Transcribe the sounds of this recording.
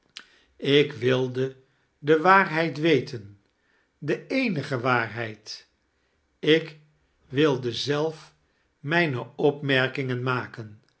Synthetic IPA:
ɪkʋɪlˠdə | dəʋaːɹɦɛjtʋejtʰən | dəejnəχəʋaːrɦɛjt | ɪk | ʋɪlˠdəzɛlˠf | mɛjnəɔpmɛɹkɪŋənmaːkən

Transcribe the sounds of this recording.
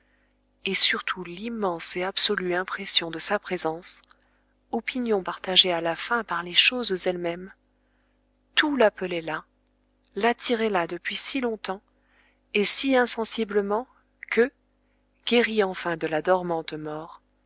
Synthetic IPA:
esyʁt̪ʰulimːɑ̃seabsɔlyɛ̃pχesjɔ̃d̪əsapχezɑ̃s | ɔpinjɔ̃paʁt̪aʒealafɛ̃paʁleʃozzɛlmɛm | t̪ulapəlɛla | lat̪ʰiʁɛlad̪əpɥisilɔ̃t̪ɑ̃ | esiɛ̃sɑ̃sibləmɑ̃ | kə | ɡ̥ʲeʁiɑ̃fɛ̃d̪əlad̪ɔʁmɑ̃t̪mɔʁ

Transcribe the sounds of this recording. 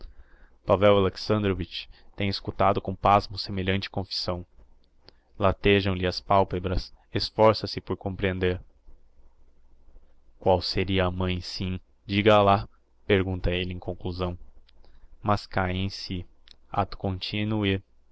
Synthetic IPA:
pavɛwaleksɐ̃nd̪ɾovit͡ʃt̪ẽj̃eskut̪ad̪ʊkõpazmʊsemeʎɐ̃nt͡ʃɪ̥kõfi̥sɐ̃w̃ | lat̪eʒɐ̃w̃lɪɐspawpebɾɐs | esfɔɾsɐsɪpoɾkõpɾiẽnd̪eɾ | kwawseɾiɐːmɐ̃j̃sĩ | d͡ʒiɡɐla | peɾɡũnt̪ɐelɪẽj̃kõŋkluzɐ̃w̃ | mɐskajẽj̃si | a̰t̪ʊ̥kõnt͡ʃinui

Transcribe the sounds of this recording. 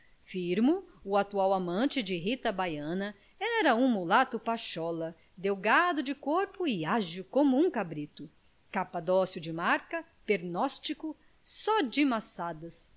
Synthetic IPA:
fiɾmʊʊat̪uawamɐ̃t͡ʃɪd͡ʒɪɦit̪ɐbajɐ̃nɐ | ɛɾɐũmulat̪ʊpaʃɔlɐ | d̪ewɡad̪ʊd͡ʒɪkoɾpʊɪaʒʊkõmʊũkabɾit̪ʊ | kapad̪ɔsjʊd͡ʒɪmaɾkɐ | peɾnɔst͡ʃikʊ | sɔd͡ʒɪmasad̪ɐs

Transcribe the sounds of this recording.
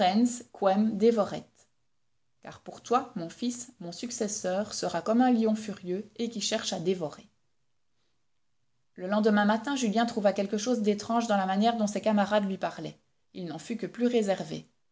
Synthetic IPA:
ɛnskwɛmd̪evɔʁɛ̰t̪ | ka̰ʁpuʁt̪wamɔ̃fismɔ̃syksɛsœːʁsəʁakɔmɛ̃ljɔ̃fyʁjøekʲiʃɛʁʃad̪evɔʁe | ləlɑ̃d̪əmɛ̃mat̪ɛ̃ʒyljɛ̃t̪χuvakʲɛlkəʃoːzd̪et̪χɑ̃ʒd̪ɑ̃lamanjɛʁd̪ɔ̃sɛkamaʁad̪lɥipaʁlɛ̰ | ilnɑ̃fykəplyʁezɛʁvḛ

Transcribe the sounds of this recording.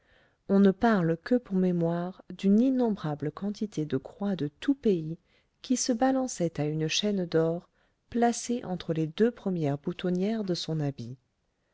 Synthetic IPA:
ɔ̃nəpaʁlkəpuʁmemwaʁd̪yninɔ̃bʁabləkɑ̃t̪it̪ʰed̪əkχwad̪ət̪upei | kʲisəbalɑ̃sɛt̪aynʃɛnd̪ɔʁ | plaseʔɑ̃t̪χəled̪øpχəmjɛʁbut̪ɔnjɛʁd̪əsɔ̃nabi

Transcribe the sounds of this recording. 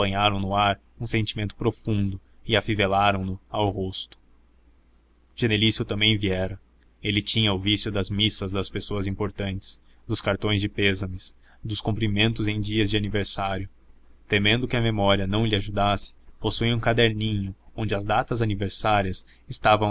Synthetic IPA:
ɐ̃ɲaɾɐ̃w̃nʊaɾ | ũsẽnt͡ʃimẽnt̪ʊ̥pɾofũnd̪ʊ | ɪafivelaɾɐ̃w̃nʊawɦost̪ʊ̥ | ʒ̥enelisjʊt̪ɐ̃mbẽj̃viɛɾɐ | elɪt͡ʃĩɲɐʊvisjʊd̪ɐzmisɐzd̪ɐspesoɐzĩpoɾt̪ɐ̃nt͡ʃɪ̥s | d̪ʊskaɾt̪õj̃zd͡ʒɪpezɐmɪs | d̪ʊskũpɾimẽnt̪ʊzẽj̃d͡ʒiɐzd͡ʒɪaniveɾsaɾjʊ | t̪emẽnd̪ʊkɪɐmemɔɾiɐnɐ̃w̃lɪaʒud̪asɪ̥posuiũkad̪eɾnĩɲʊõnd͡ʒɪɐzd̪at̪ɐzaniveɾsaɾiɐs | ɪst̪avɐ̃w̃

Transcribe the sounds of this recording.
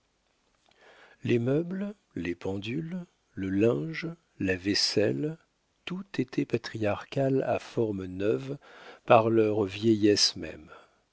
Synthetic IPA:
lʔemœbl | lepɑ̃d̪ylː | əlɛ̃ʒ | lavɛsɛ̰l | t̪ut̪et̪ʰɛpat̪χiaʁkʲala̰fɔʁmnœvpaʁlœʁvjɛjɛsmɛ̰m

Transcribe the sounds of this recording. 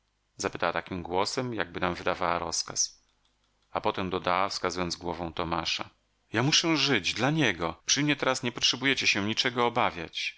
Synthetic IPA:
zapɘt̪awat̪akʲimɡwɔsɛmjaɡ̚bɘnamvɘd̪avawaɾɔ̰ska̰s | apɔt̪ɛmd̪ɔd̪awafskazujɔnd̪zɡwɔvɔ̃w̃t̪ɔmaʂa̰ | jamuʂɛʐɘd͡ʑd̪laɲɛɡɔpʂɘmɲɛt̪ɛɾasɲɛpɔtʂɛbujɛt͡ɕɛɕɛ̃ɲit͡ʂɛɡɔːbavʲja̰t͡ɕ

